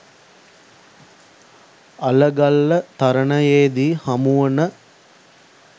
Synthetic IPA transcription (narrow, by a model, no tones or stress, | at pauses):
ɐləɡɐlːət̪ɐɾɐnɐjeːd̪iːhɐmuʋɐnə